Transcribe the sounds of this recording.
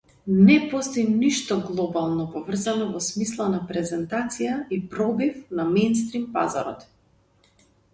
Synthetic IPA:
nɛpɔst̪ɔjniʃt̪ɔɡlˠɔbalˠnɔpɔvr̩zanɔvɔsmislˠanapɾɛzɛnt̪at̪sijaipɾɔvifnamɛjnst̪ɾimpa̰za̰ɾɔ̰t̪

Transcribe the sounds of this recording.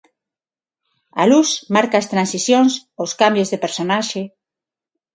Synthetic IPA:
a̰lusmaɾkaːst̪ɾansisjõnsowskambjozðepeɾsonaʃe

